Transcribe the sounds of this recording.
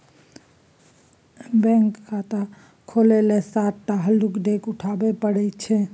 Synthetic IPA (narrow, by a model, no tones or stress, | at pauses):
bɛ̃ŋkkat̪a | kʰolelesaʈʈaɦəlukɖekuʈʰabepəɽɛt͡ʃʰɛ